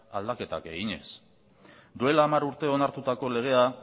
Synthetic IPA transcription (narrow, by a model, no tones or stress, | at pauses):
ald̪ake̞t̪a̰ke̞̰ɣiɲe̞s | d̪ue̞laːmaɾuɾt̪e̞o̞naɾt̪ut̪ako̞le̞ɣ̞e̞a